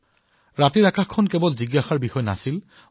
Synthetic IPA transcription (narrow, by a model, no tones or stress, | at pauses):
ɹatiɹakaxkʰːɔnkɛbɔlziɡaxaɹbixɔjna̰sil